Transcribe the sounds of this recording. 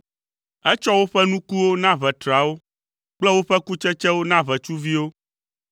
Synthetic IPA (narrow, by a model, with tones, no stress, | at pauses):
ɛ˦t͡ʃɔ˦wo˦ɸɛ˦nũ˦ku˦wo˦nã˦βɛ˨t̪ɾa˨wo˦ | k͡plɛ˦wo˦ɸɛ˦ku˦t͡ʃɛ˦t͡ʃɛ˦wo˦nã˦βɛ˨t͡ʃu˦vi˦wo˦